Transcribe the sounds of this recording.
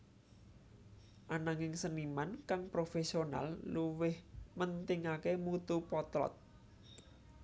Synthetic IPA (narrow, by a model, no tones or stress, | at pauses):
ʔanaŋɪŋsənimankaŋpɾofesiona̰lluwɪhmənt̪ɪŋakemut̪upɔt̪lɔ̰t̪̚